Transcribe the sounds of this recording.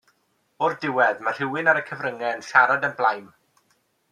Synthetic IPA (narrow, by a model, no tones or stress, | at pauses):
b̥ordɪwɛðmar̥ɪwɪnaɾəkʰəvɾəŋɛnʃaɾadənblˠajm